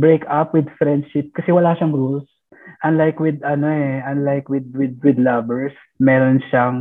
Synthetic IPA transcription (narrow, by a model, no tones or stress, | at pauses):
bɹejkapwɪd̪fɹɛnd̪̚ʃɪp̚kɐsɛwɐlaːʃɐŋɾuls | ʔɐnlajkwɪd̪ɐnoɛʔɐnlajkwɪd̪̚wɪd̪̚wɪd̪lɐbɛɹs | mɛːɾonʃaŋ